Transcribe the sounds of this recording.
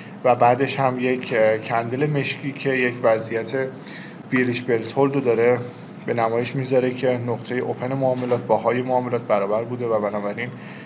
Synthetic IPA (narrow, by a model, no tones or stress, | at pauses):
væbæːd̪e̞ʃhæmje̞cʰkʰːænd̪ele̞me̞ʃcʰiːcʰe̞je̞cvæzijæt̪ʰe̞ | b̥iɾiʃbe̞lt̪ʰold̪od̪ɒːɾe̞ | be̞næmɒːje̞ʃmiːzɒɾe̞cʰe̞noɣt̪ʰe̞jeʔopʰe̞nemoːme̞lɒːt̪̚ʰbɒːɦɒːje̞moɒːme̞lɒːt̪̚bæɾɒːbæɾbuːd̪e̞væbænɒːbæɾiːn